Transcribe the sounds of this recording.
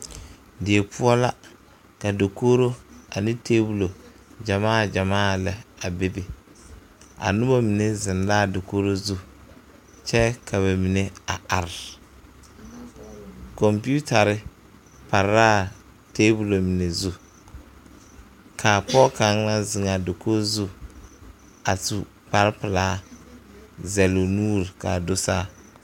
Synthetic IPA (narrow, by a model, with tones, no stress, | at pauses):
dɪ˨e˨pʊ˦ɔ˦la˦ | ka˨do˨koː˦ɾo˦a˨nɪ˦tʰeː˦bu˨lo˨ | d͡ʒa˨maː˦˨d͡ʒa˨maː˦˨lɛ˨a˨be˦bɪ˦ | a̰˨nʊ˦ba˦mi˨ne˦zɪ˨ndaː˦˨do˨koː˦ɾo˦zu˦ | t͡ʃɛ˦kʰa˨βa˨mi˨ne˦a˨a˨ɾɪ˨ | kɔ˨mpi˦u˦ta˨ɾɪ˦ | pa˨ɾa˦ | teː˦bu˨lo˨mi˨ne˨zu˦ | kʰa˨pɔ˦ka˨˦ŋ˦la˦zɪ˨ŋa˨do˨kʰo˦zu˦ | a˨tu˨ | pa˨ɾpɪ˨laː˨˦ | zɛ˨lo˨nu˦ɾka̰˨dʊ˦saː˦